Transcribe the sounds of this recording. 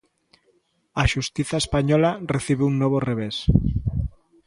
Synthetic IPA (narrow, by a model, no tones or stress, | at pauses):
aʃust̪iθaespaɲɔlareθiβeuŋnoβ̞oreβ̞es